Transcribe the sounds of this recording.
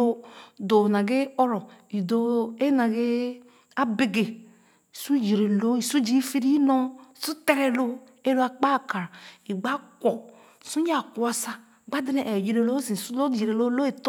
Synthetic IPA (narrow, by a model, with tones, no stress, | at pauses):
o˦do˨na˨ɡe˦ɔ˦ɾɔ˨i˨do˨e˦na˨ɡe˦ | a˦be˦ɡe˨ | i˨su˦ji˨ɾe˨lo˦i˨su˦d͡ʒi˦fi˦ɾi˦i˦nɔ˦i˨su˦te˦ɾe˨lo˦ | e˦lo˦a˨k͡pa˦˨ka˨ɾi˨ɡ͡ba˦kʷɔ˨ | su˦ɲ˦a˦˨ku˨˦a˦sa˦˨ | ɡ͡ba˦di˦ne˨ʔɛ˨ji˨ɾe˨lo˦zi˨su˦lo˦˨ji˨ɾe˨lo˦lo˦e˨t